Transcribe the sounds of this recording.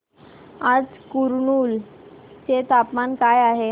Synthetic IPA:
ad͡zkuɾɳuːlt͡ɕet̪apmankajaɦe

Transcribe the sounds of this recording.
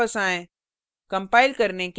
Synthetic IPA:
əsãːẽ | kɐ̃mpaːɪlkɐɾnek

